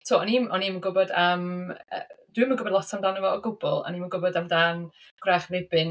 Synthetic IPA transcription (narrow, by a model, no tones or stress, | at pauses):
tʰoːɔniːmɔnimənɡʊbɔdəmə̰d̥wɪmənɡʊbɔdlˠɔtʰamdanəvɔɔɡʊbʊlˠa̰niːmənɡʊbɔdamdaːn | ɡ̥raχvɪbɨn